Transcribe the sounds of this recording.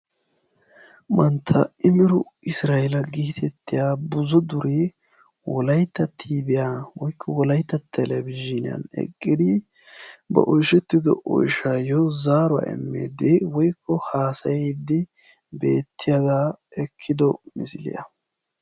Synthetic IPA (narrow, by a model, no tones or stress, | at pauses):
mɐnt̪ʰːɐɪmɪɾʊʔɪsɾaːjɛlɐɡiːt̪ʰɛt̪ːɪjaːbʊzɔd̪ʊɾe | wɔlɐjt̪ːɐt̪ʰːiːbɪjaːwɔjkʰːɔwɔlɐjt̪ːɐt̪ʰːɛlɛbɪʒːɪnɪ̰ɐ̰nɛ̰kʼːɪd̪ɪ | bɐ̰ʔɔjʃɛt̪ːɪd̪ɔ̰ʔɔ̰jʃaːjɔzaːɾʊwa̰ːʔɛ̰mːḛːd̪ɛwɔjkʰːɔhaːsɐjejd̪ːɪ | be̞ːt̪ʰːɪjaɡaːɛkʰːɪd̪ɔmɪ̰sɪlɪ̰jɐ̰